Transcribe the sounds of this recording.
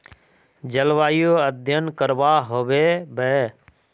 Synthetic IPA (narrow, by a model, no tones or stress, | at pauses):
d͡ʒəlʋaːjoːəd̪ʱjənkəɾʋaːɦoʋeːbɛː